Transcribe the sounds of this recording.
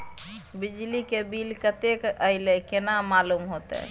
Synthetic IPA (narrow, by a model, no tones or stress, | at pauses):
bid͡ʒlikebilkət̪ekəɪlekenamalumɦot̪ɛ̰